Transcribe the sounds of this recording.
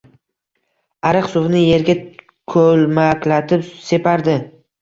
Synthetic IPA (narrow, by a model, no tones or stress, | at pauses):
aɾɨqsʊvnɪje̞ɾɡʲa | kʰɵlmakʲlat̪ʰɪpse̞pʰaɾd̪ɪ